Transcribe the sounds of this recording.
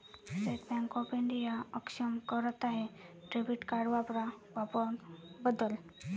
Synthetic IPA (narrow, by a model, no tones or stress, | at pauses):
seʈbaŋkɔpiɳɖijaəkʂəmkəɾət̪aɦeɖɾebiʈkaɖʋapɾaʋapəɾbəd̪əl